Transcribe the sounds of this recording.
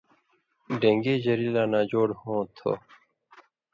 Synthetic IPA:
ɖẽːŋɡeːd͡ʑəɾiːlaːnãːd͡ʑoːɽhõːt̪ʰo̰

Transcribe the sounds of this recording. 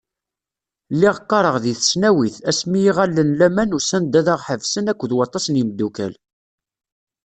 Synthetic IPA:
lːiʁqːɑɾˤəʁðiθə̥snæwiθæsmijiʁælːənlæmænusænd̪æðɑʁħəvsənækʷːðwɑt̪ˤːɑsniməd̪ːukæ̰l

